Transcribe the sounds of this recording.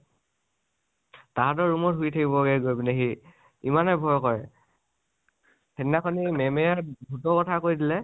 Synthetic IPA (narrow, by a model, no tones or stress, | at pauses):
taɦdɔɹɹumɔtɦujtʰakibɔɡɛɡojbneɦi | imanɛbʱɔjkɔɹɛ | hɛninakʰɔnimɛmejabʱutɔkɔtʰakoɹidilɛ